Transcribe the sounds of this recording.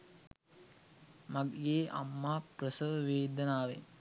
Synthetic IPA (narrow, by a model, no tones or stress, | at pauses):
maɡɡeːʔa̰mːaːprəsəʋʋeːd̪ənaːʋḛn